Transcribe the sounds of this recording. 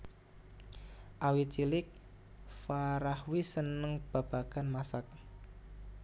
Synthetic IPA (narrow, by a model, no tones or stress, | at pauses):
ʔawit͡ʃilɪk̚ | faɾahwisənəŋb̥a̤b̥aɡ̥anmasak̚